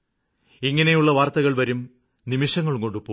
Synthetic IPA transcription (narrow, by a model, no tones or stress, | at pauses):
iŋːɐne̞juɭːɐʋaːrt̪ɐɣɐɭʋɐɾum | nimiʂɐŋːɐɭukoɳɖupːo